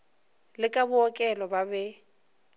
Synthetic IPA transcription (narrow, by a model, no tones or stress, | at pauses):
lɪkʼabʊɔkʼɛlɔbabɛ